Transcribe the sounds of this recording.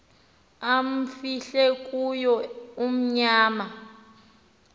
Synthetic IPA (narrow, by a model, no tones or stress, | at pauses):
am̩fiɬɛkʼujɔum̩ɲaːma